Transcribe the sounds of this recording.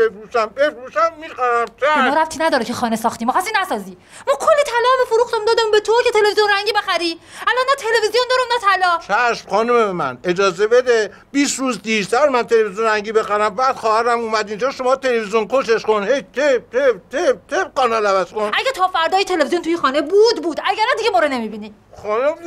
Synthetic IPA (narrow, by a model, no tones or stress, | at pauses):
befɾuʃæmbefɾuːʃæmːixæɾæmt̪ʰemɔːɾæft̪ʰiːnæd̪ɒːɾecʰexɒːnesɒːxt̪iːmɔːxast̪iːnæsɒːziː | mɒːkʰolːiːt̪ʰælɒːbefoɾuːxt̪æmd̪ɒːd̪æmbet̪ʰoɾcet̪ʰelevizijonræɲɟiːbe̞xæɾiːælɒnːæt̪ʰe̞levizijond̪ɒːɾomnæt̪ʰælɒːt͡ʃʰæʃmχɒːnumemæ̰ne̞d͡ʒɒːzebe̞d̪e | b̥iːsɾuːzd̪iɾsæɾmænt̪ʰelevizjonɾæŋɟiːbe̞xæɾæmbæːd̪̥xɒːhæɾæmuːmæd̪ind͡ʒɒːʃo̞mɒːt̪ʰelevizjonkʰoʃeʃkonhejt̪ʰet̪ʰet̪ʰept̪ʰepɡɒːnɒːlævæz̥konæɡæt̪ʰɒːfæɾd̪ɒːjit̪ʰe̞levizjont̪ujixɒːnebuːd̪buːd̪æɡæɾænd̪iɡemoɾone̞mibiːniː | χɒːnum